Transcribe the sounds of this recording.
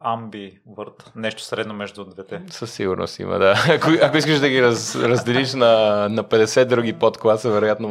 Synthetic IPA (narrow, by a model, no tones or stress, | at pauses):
ambi | vɤɾt̪nɛʃt̪o̥sɾɛd̪nomɛʒd̪ʊd̪vɛt̪ɛsəsːiɡʊɾno̰st̪ḭmɐ̰d̪aɐkoʔɐkoiskəʃd̪ɐɡiɾɐzɾɐzd̪ɛliʃnɐnɐpɛd̪ɛsɛd̪̚d̪ɾuɡipot̪klˠasəvɛɾojat̪no